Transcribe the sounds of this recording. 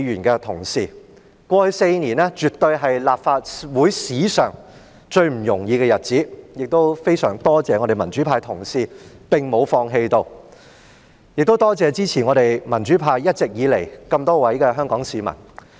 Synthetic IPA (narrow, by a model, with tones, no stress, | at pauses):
ɥyː˨˩nkɛː˧t̪ʰʊ˨˩ŋsiː˨ | kʷɔː˧hɵ˧ɥse˧jniː˨˩nɛː˥t͡ʃyː˨t̪ɵ˧ɥɦɐ˨jlaː˨p̚faː˧t̚wuː˨˥jsiː˨˥sœ̰ː˨˩ŋ | t͡ʃɵ˧ɥm̩˨˩jʊ˨˩ŋjiː˧kɛː˧jɐ˨t̚t͡siː˨˥jɪ˨k̚t̪o˥wfe˥jsœː˨˩ŋt̪ɔː˥t͡sɛː˧ŋɔ˨˧ɾe˨˩jmɐ˨˩nt͡ʃy˨˥pʰaː˧jt̪ʰʊ˨˩ŋsiː˨pɪ˨˩ŋmo˨˧wfɔː˧ŋɦe˧jt̪o˧w | jɪ˨k̚t̪o˥wt̪ɔː˥t͡sɛː˨˧t͡siː˥t͡sʰiː˨˩nŋɔː˨˧t̪e˨jmɐ˨˩nt͡ʃyː˨˥pʰaː˧jjɐ˥t̚t͡sɪ˨k̚jiː˨˧le˨˩jkɐ˧mt̪ɔː˥wɐ˨˥jkɛː˧ɦœː˥ŋkɔː˨˥ŋsiː˨˧mɐ̰˨˩n